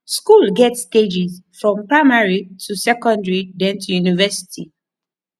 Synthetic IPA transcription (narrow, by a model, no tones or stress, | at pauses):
skulɡɛtsːted͡ʒizfɹɔ̃mpɹaɪmaɹitʰusɛkɔ̃ndɹidɛ̃ntʰujunivɛsi̥tʰi